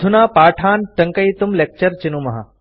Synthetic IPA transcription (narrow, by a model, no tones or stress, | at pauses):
d̪ʱunaːpaːʈʰaːnʈɐŋkɐit̪umlek̚t͡ɕɐɾt͡ʃinumɐɦa̰